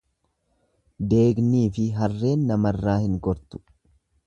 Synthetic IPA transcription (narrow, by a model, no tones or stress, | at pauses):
d̪e̞ːɡniːfɪɦɐrːe̞ːnːɐmɐrːaːhɪŋɡɔɾt̪ʊ̥